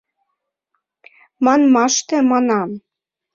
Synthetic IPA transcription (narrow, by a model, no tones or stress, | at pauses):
mɑnmɑʃt̪ĕmɑnɑm